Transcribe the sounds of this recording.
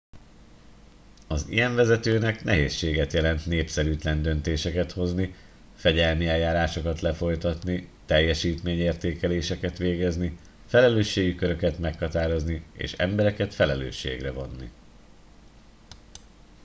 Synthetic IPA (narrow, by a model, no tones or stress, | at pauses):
ɒzḭjɛɱvɛzɛt̪øːnɛknɛɦeːsːeːɡɛt̪jɛlɛnt̪neːpsɛɾyːt̪lɛnd̪ønt̪eːʃɛkɛt̪ho̞zni | fɛɟɛlmiɛjːaːɾaːʃo̞kɒt̪lɛfo̞jt̪ɒt̪nit̪ɛjːɛʃiːt̪meːɲeːrt̪eːkɛleːʃɛkɛt̪ʋeːɡɛzni | fɛlɛløːʃːeːɡikø̞ɾø̞kɛt̪mɛkhɒt̪aːɾo̞zniḛːʃɛ̰mbɛɾɛkɛt̪fɛlɛlø̰ːʃːḛːɡrɛvo̞nːḭ